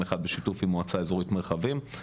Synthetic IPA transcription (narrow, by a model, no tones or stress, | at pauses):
eχad̪̚beʃitufimoat͡saezoʁit̪meʁχavim